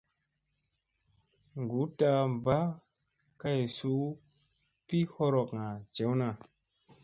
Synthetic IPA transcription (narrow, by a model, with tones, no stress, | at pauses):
ŋɡu˨˦ta˧mba˦ | ka˦˨su˦ | pi˦ho˦ɾɔ˨kŋa˨t͡ʃe˨˦wna˨